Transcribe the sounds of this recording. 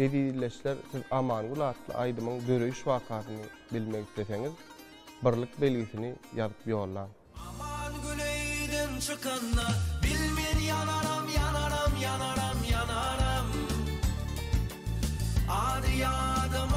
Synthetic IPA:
eðiːðle̞ʃleɾθiðɑmɑːnɡylˠɑːt̪lˠɯ̰ʔɑjd̪ɯmɯŋd̪ø̞ɾø̞jyʃwɑːqʰɑːθɯnɯ | bilmeɡiθle̞θe̞ŋið | bɯɾlˠɯq̚be̞lɡiθinijɑðɯpjo̞ːlˠːɑːn | ɑmɑnɡylejd̪ent͡ʃʰɯqɑnːɑbilmenjɑnɑɾɑmjɑnɑɾɑmjɑnɑɾɑmjɑnɑɾɑm | ɑːd̪ɯjɑd̪ɑm

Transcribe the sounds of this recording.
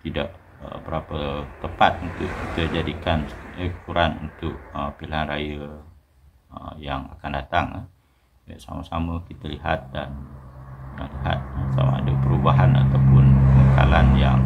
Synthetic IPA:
t̪idaʔ | əbəɾapət̪əpat̪̚unt̪ʊʔkit̪əd͡ʒadikanəkuɾanṵnt̪ʊʔ̚əpilaɦanrajə | əjaŋa̰kandat̪aŋ | bajʔsa̰masaməkit̪əliɦat̪̚dan | əliɦa̰t̪̚əsa̰ma̰adəpəɾubaɦana̰t̪awpʊnəəŋəka̰lanjaŋ

